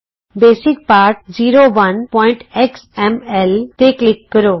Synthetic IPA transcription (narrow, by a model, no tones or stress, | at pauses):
beːsɪk̚paːɾʈ̚d͡ʒiːɾoʋənpɔ̃ːɪ̃ɳʈeksɛmɛlt̪eklɪkːəɾoː